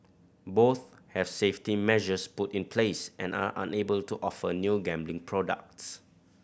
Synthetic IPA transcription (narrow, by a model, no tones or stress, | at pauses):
boθ | hɛv̥seftimɛʒəsputĩnpʰlesʔɛ̃na̰ʔã̰nebəltuʔɔfənjuɡɛ̃mblɪ̃ŋpʰɹɔdə̰k̚ts